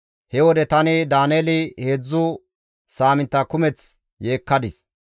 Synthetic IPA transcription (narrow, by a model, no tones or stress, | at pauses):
hɛwɔd̪ɛt̪ɐnɪd̪aːnjeːlɪhe̞ːd͡zːʊ | saːmɪnt̪ːɐkʊmɛt͡s | je̞ːkːɐd̪ɪs